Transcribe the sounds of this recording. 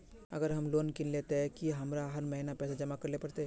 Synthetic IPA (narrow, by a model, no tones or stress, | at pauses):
ɐ̰ɡəɾɦɐmloːnkinleːt̪eɦɛ̃kiɦɐmɾaɦɐɾmɐɦinapɛːsad͡ʒɐmakɐɾlepɐɾt̪eɦ